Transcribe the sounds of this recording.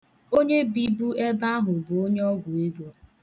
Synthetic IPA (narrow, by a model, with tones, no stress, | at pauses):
o˦ɲe˦bi˦bu˦e˦ba˦ɦʊ˨bʊ˨o˦ɲe˦ɔ˦ɡʷʊ˨e˦ɡo˦